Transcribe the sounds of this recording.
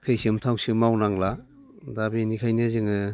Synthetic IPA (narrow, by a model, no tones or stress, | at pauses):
tʰɯjsɯmtʰawsɯmawnaŋla | dabinikʰajnɯzɯŋɯ